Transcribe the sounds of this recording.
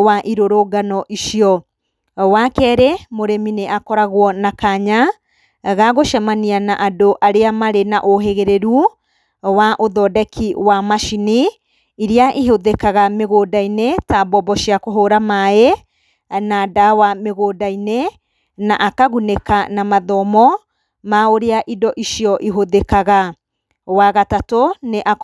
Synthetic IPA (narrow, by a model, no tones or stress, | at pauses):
waʔiɾoɾoːɡanɔʔiʃiɔ | wakɛːɾemoɾemineʔakɔɾaɣwɔnakaɲa | ɣaɣoʃamanianaʔadoʔaɾeamaɾenaʔoɦeɣeɾeɾu | waʔoðɔdɛkʰiwamaʃini | iɾiaʔiɦoðekaɣameɣodainetabɔbɔʃiakoɦoɾamae | nadawameɣodaine | naʔakaɣunekanamaðɔmɔ | maoɾeaʔidɔʔiʃiɔʔiɦoðekaɣa | waɣatatoneʔa